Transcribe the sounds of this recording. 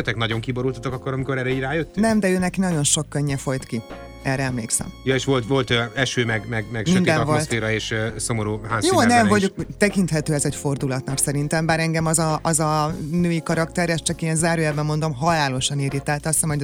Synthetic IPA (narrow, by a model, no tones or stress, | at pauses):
ɛt̪ɛknɒɟo̞ŋkiboɾult̪ɒt̪okɒkːoɾɒmiko̞ɾɛɾɛiɟraːjøt̪ːynɛmd̪ɛøːnɛkinɒɟo̞nʃo̞kːøɲːɛfo̞jt̪ki | ɛːɾɛɛmleːksɛ̰mjɒeːʃʋo̞lt̪ʋo̞lt̪ɛʃøːmɛɡmɛɡmɛɡmiɛnd̪ɛnvolsfeːɾɒeːʃso̞moɾuːɦaːzjoːnɛmvɒɟokt̪ɛkint̪hɛt̪øːɛzɛcfo̞rd̪ulɒt̪nɒksɛɾint̪ɛmbaːɾɛŋɡɛmɒzɒɒzɒnøːikɒɾɒkt̪ɛɾɛst͡ʃɒkenzaːɾøːjabːɛmːo̞nd̪o̞mɦɒlaːlo̞ʃɒniːɾit̪ɛlt̪ɒst̪ɛmoɟ